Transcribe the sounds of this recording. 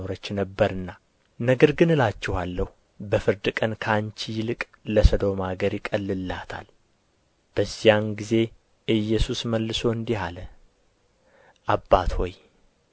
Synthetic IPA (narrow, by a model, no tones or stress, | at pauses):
oɾət͡ʃːnəbːəɾɨnːa | nəɡəɾɡɨnɨlat͡ʃːɛhalːəhu | bəfɨɾd̪ɨkʼənkʰant͡ʃijɪlɨkʼ | ləsəd̪o̞maɡəɾjɪkʼəlːɨlːat̪ʰa̰l | b̥əzːijanɡize̞ | ʔɨjːɛsusməlːɨso̞ɨnd̪ihalə | ʔabːat̪ho̞j